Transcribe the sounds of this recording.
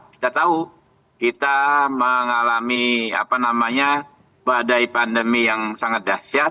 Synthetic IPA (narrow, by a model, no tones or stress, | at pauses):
ki̥t̪at̪au | kit̪aməŋalamia̰panamaɲa | badajpandəmijaŋsaŋat̪̚dasa